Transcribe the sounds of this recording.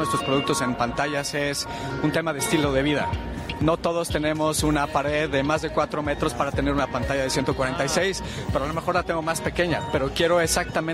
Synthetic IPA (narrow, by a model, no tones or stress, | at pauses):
west̪ɾo̞spɾo̞ðuk̚t̪o̞se̞mpant̪aʝase̞s | unt̪e̞maðest̪ilo̞ðe̞β̞iða̰ | no̞t̪o̞ð̞o̞st̪e̞ne̞mo̞sunapaɾe̞ðːe̞mazðe̞kwat̪ɾo̞me̞t̪ɾo̞spaɾat̪e̞ne̞ɾunapant̪aʝaðe̞sje̞nt̪okwaɾe̞nt̪ajsejs | pe̞ɾoalo̞mexo̞ɾlat̪e̞ŋɡomaspe̞ke̞ɲa̰pe̞ɾo̞kje̞ɾo̞esak̚t̪amẽ